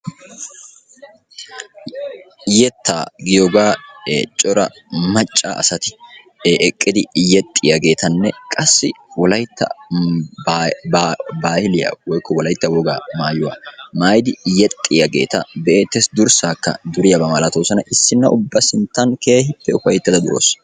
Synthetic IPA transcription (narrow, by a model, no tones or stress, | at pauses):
jɛt̪ʰːaːɡɪjoɡaːt͡ʃʼɔɾɐ̰ | mɐt͡ʃʼːa̰ʔsɐt̪ɪ̥ | ʔɛkʼːɪd̪ɪjɛt̪ʼːɪjɐɡe̞ːt̪ʰɐnːɛkʼɐsːɪwɔlɐjt̪ːɐ̰ | baːhɪlɪjɐ̰wɔjkːɔwɔlɐjt̪ːɐwɔɡaːmaːjʊwa̰ːmaːjɪd̪ɪjɛt̪ʼːɪjɐɡe̞̰ːt̪ɐbɛeːt̪ːɛsd̪ʊɾsaːkːɐ̰d̪ʊɾɪjɐbɐmalɐt̪oːsɐnɐʔɪsːɪnːɐʔʊbːɐsɪnt̪ːɐnke̞ːhɪpːɛʊfɐjɛt̪ːɐd̪ɐd̪ʊɾo̰ːs